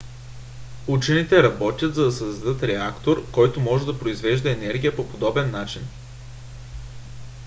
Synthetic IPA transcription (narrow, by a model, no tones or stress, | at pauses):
ut͡ʃɛnit̪ɛɾɐbɔt̪ʲət̪zɐd̪ɐsɐzd̪ɐd̪ɤt̪ɾɛakt̪oɾkɔjt̪omɔʒɛd̪ɐpɾoizvɛʒd̪ɐɛnɛɾɡʲijəpopod̪ɔbɛnːat͡ʃin